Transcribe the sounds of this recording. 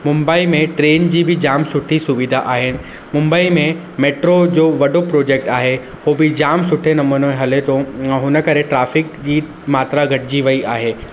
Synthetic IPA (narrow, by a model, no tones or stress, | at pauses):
mʊ̃mbaːimẽʈɾeːnd͡ʑiːbʱɪd͡ʑaːmsʊʈʰisʊʋɪd̪ʱaʔaːɦɪnɪ̆ | mʊ̃mbəimẽ | meːʈɾod͡ʑoːʋɐɖopɾoːd͡ʑeːk̚ʈaːɦe | ɦobɪd͡ʑaːmsʊʈʰenɐmunoẽɦɐlet̪oɦʊnə̆kɐɾeʈɾaːfɪk̚d͡ʑiː | maːt̪ɾaɡʱɐʈʰd͡ʑiʋɐiʔaːɦeː